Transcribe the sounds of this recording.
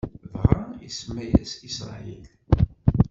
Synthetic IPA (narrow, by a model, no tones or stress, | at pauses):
vʁəisəmːæjæsisɾɑ̰il